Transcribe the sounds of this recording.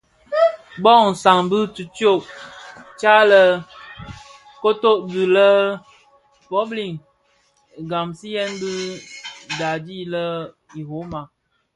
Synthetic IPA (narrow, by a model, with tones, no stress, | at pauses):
bɔ˦˨ŋn̩˨sa˨ŋbɨ˦tu˨tjo˦˨ʔ | t͡ʃa˦lə˦ | ko˦to˦ʔbi˨lə˦ | pɔ˦bli˨ŋ˨ | ɡa˨msi˦jɛ˦nbɨ˦ | da˨di˦lə˦ | i˨ho˨˦ma˨